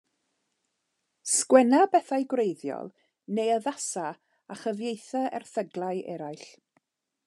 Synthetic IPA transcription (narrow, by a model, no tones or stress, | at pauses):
skwɛnabɛθajɡwrejðjɔ̰lˠ | nejəðasa | aχəvjejθaɛ̰rθəɡlˠaɨɛ̰ɾajɬ